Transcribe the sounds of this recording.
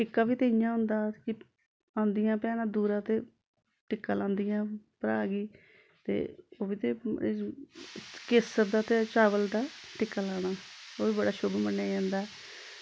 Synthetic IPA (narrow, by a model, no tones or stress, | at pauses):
ʈɪkːaːʋiːt̪ejãːɦʊ̃nd̪aːkɪ | ãːnd̪ɪjãːpɛːɽ̃aːd̪uːɾãːt̪eː | ʈɪkːaːlãːnd̪ijãːpəɾa̰ːɡiː | t̪ḛːoːʋiːt̪eː | kɪsəɾd̪aːt̪eːt͡ʃaːʋəld̪aːʈɪkːaːlaːɽ̃aːoːʋiːbəɽaːʃobeːmənːaːd͡ʒãːnd̪aːɛ